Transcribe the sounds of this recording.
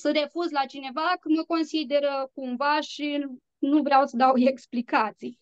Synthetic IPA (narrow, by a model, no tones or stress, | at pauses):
səɾe̞fuzlat͡ʃine̞vakəməko̞nsid̪e̞ɾəkumvaʃi | nuvɾeawsəd̪aweksplikat̪sij